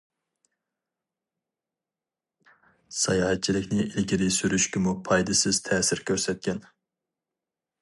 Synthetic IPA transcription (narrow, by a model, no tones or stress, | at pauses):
sɑjɑːɦɛt̪̚t͡ʃʰilɪkʲnɪʔilɡʲiɾɪsyɾyʃkʲɪmupʰɑjd̪ɨsɪz̥t̪ʰɛːsɪɾkʲʰøɾsɛt̪̚kʲʰɛn